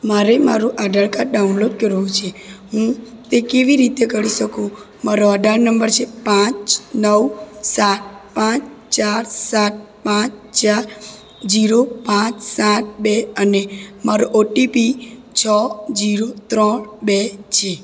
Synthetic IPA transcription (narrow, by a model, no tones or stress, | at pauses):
maɾema̰ɾũʔaɖaɭkaɾɖaunloɖ̚kəɾũt͡ʃʰeɦũ | t̪ekeʋiɾit̪ekəɾiʃəkũ | maɾoaɖaɭnəmbəɾt͡ʃʰepãt͡ʃnəwsaʈ̚pãt͡ʃt͡ʃaɾsaʈ̚ | pãt͡ʃt͡ʃaɾ | d͡ʒiɾopãt͡ʃsaʈ̚beənemaɾoʔoʈipit͡ʃʰɔd͡ʒiɾot̪ɾɔɳbet͡ʃʰe